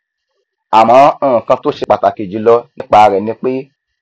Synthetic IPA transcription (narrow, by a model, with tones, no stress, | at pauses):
a˨mã˨˦˨kã˧to˦ʃe˧k͡pa˨ta˨ke˨d͡ʒi˨˦lɔ˧nĩ˦k͡pa˧ɾɛ˨nĩ˧k͡pe˦